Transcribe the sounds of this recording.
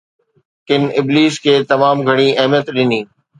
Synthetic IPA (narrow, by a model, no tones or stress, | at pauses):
kɪnɪbliːskʰeːt̪ɐmaːmɡʱɐɽ̃iɐɦmjət̪ɗɪniː